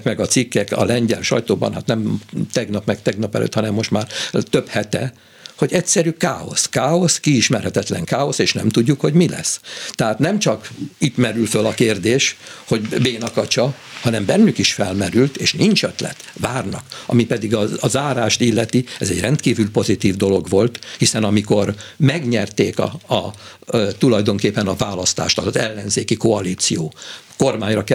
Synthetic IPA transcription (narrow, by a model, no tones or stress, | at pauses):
kmɛɡɒt̪sikːɛkɒ̰lɛɲɟɛ̰lʃɒ̰jt̪oːbɒ̰nha̰t̪nɛmt̪ɛɡnɒpmɛkt̪ɛɡnɒpɛlʔø̰t̪hɒnɛmːo̞ʃt̪maːrt̪øphɛt̪ɛ | ho̞ɟɛcsɛɾyka̰ːo̞̰skaːo̞skiiʃmɛrhɛt̪ɛt̪lɛŋkaːo̞seːʃnɛ̰mt̪uɟːukho̞ɟmilɛ̰st̪ɛɦaːt̪nɛmt͡ʃɒkit̪mɛɾylfølɒkeːrd̪eːʃho̞ɟbeːnɒkɒt͡ʃɒhɒnɛmbɛnːykiʃfɛlmɛɾylt̪eːʃnint͡ʃøt̪lɛ̰t̪vaːrnɒ̰kɒ̰mipɛd̪iɡɒɒzaːɾaːʃt̪ilːɛt̪iɛzɛɟrɛnt̪kiːvylpo̞zit̪iːvd̪o̞lo̞ɡʋo̞lt̪hisɛnɒmiko̞rmɛɡɲɛrt̪eːkɒ̰ɒ | t̪ulɒjd̪o̞ŋkeːpːɛnɒvaːlɒst̪a̰ːʃt̪ɒɒzɛlːɛnzeːkiko̞ɒliːt̪sijoːko̞rmaːɲrɒk